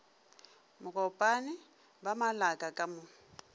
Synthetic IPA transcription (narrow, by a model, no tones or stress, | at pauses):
mʊkʼɔpʼanɪ | bamalakʼakʼamʊ